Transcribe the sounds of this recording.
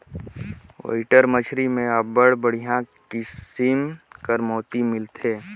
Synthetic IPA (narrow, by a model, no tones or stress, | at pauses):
o̰ɪʈəɾmət͡ʃʰɾimẽəbəɽbəɽ̤ijãkɪsɪmkəɾmɔːt̪imɪlt̪ʰeː